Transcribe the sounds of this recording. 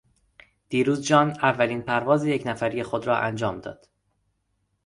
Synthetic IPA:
d̪̥iːɾuːzd͡ʒɒːnævːæliːnpʰæɾvɒːzijecnæfæɾijexod̪ɾɒːʔænd͡ʒɒːmd̪ɒ̰ːd̪̥

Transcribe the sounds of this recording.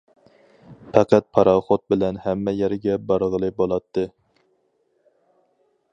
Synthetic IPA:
pʰæqæt̪̚pʰɑɾɑχot̪̚bɪlɛnhɛmːɛjɛɾɡʲɛbɑɾʁəlˠɨbolˠɑt̪ʰːɨ

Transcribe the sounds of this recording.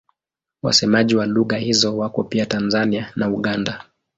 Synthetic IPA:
wa̰sɛmaʄiwaluɣahizɔwakɔpiatanzanianauɠanda

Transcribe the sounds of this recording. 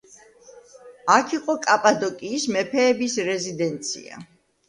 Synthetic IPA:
akʰiqʼɔkʼapʼad̪ɔkʼiːsmɛpʰɛːbisɾɛzid̪ɛnt̪sʰḭa̰

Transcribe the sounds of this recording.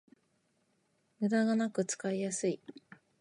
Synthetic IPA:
mɯ̟d̪aɡanakɯ̟t͡sɨ̥kaijasɨi

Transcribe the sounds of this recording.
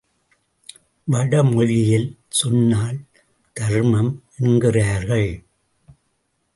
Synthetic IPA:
ʋɐɽɐmɔɻɪjɪl | sɔnːaːl | t̪ɐɾmɐm | ɛnɡɪraːɾɣɐɭ

